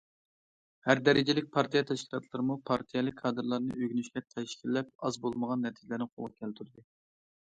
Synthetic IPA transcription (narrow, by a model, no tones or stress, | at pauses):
hæɾd̪ɛɾɪd͡ʒɪlɪk̚ʲpʰɑɾt̪ʰijɑt̪ʰɛʃkʲʰi̥lɑt̪ʰlˠɨɾɨmupʰɑɾt̪ʰijɛlˠɨkʲʰːɑːd̪ɨɾlˠɑɾnɨ̰øɡʲynyʃlʲɛt̪ʰɛʃkʲʰilːɛp̚ɑzbolˠməʁɑnːɛt̪ʰid͡ʒɪlæɾnɪqʰo̰lˠʁɑkʲʰɛlt̪ʰyɾd̪ɨ